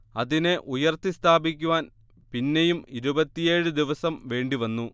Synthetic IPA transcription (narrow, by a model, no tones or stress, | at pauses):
ɐðineʔujɐrt̪ːist̪ʰaːbikʲːuʋaːn | pinːe̞jumiɾubɐt̪ːije̞ːɻɨd̪iʋɐsɐmʋe̞ːɳɖiʋɐnːu